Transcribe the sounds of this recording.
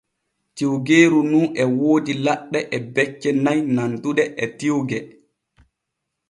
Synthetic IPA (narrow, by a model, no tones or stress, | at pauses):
tiwɡeːɾununɛwoːdilaɗːɛʔɛbɛt͡ʃːɛnajnantuɗɛʔɛtiwɡɛ